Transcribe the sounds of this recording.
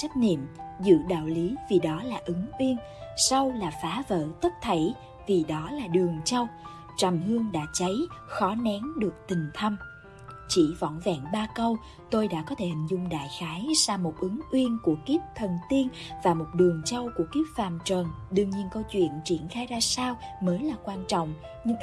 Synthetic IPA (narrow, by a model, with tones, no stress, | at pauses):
t͡ɕa˦˥jk̟̚nḭ˧˨əmzɨ̰˧˥ɗa̰ː˧˨wli˨˦vi˨˩ɗɔ˨˦laː˨˩ʔɨ˨˦ŋʔwi˧ən | sa˧wlaː˨˩faː˨˦və̰ː˧˨t̪ə˦˥t̚t̪ʰə˧˩j | vi˨˩ɗɔ˨˦laː˨˩ɗɨ˨˩əŋt͡ɕə˧w | t͡ɕə˨˩mhɨ˧əŋɗa̰ː˧˥t͡ɕə˨˦jxɔ˨˦nɛ˨˦ŋɗɨ˨˩ək̚t̪ï˨˩ŋ̟t̪ʰə˧m | t͡ɕḭ˧˩vɔ̰˧˨nvɛ̰ː˧˨nɓaː˧kə˧w | t̪o˧jɗa̰ː˧˥kɔ˨˦t̪ʰe˧˩hi˨˩ŋ̟zʊ˧ŋ͡mɗa̰ː˧˨jxaː˨˦jsaː˧mo˨˩t̚ʔɨ˨˦ŋʔwi˧ənku˧˩əki˦˥p̚t̪ʰə˨˩nt̪i˧ənvaː˨˩mo˨˩t̚ɗɨ˨˩əŋt͡ɕə˧wku˧˩əki˦˥p̚faː˨˩mt͡ɕəː˨˩nɗɨ˧əŋɲi˧ənkə˧wt͡ɕwḭ˧˨ənt͡ɕḭ˧˩ənxaː˧jzaː˧saː˧wməː˨˦jlaː˨˩kwaː˧nt͡ɕɔ̰˧˨wŋ͡m | ɲɨ˧ŋ